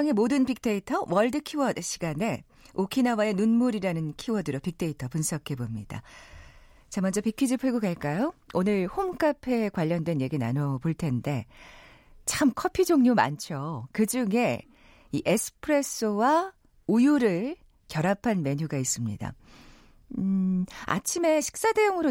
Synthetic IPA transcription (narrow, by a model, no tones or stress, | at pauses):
ŋe̞modɯnpik̚t͈e̞itʰʌwʌɭdɯkʰiwʌdɯɕʰiɡane̞ | okʰinawae̞nunmuɾiɾanɯnkʰiwʌdɯɾopik̚t͈e̞itʰʌpunsʰʌkʰe̞bomɲid̥a̰ | t͡ɕamʌnd͡ʑʌpikʰid͡ʑipʰɯɭɡoɡaɭk͈ajoonɯɭhomk͈apʰe̞kwaʎːʌndwe̞nje̞ɡina̰nʌboɭtʰe̞nde̞ | t͡ɕʰamkʰʌpʰid͡ʑoŋɲuma̰nt͡ɕʰjokɯd͡ʑuŋe̞ | iʔesʰɯ̥pʰɯɾe̞s͈ɯwa | ujuɾɯɭ | kjʌɾapʰanme̞ɲuɡais͈ɯmɲḭda̰ | a̰t͡ɕʰime̞ɕʰi̥k̚s͈ade̞joŋɯɾo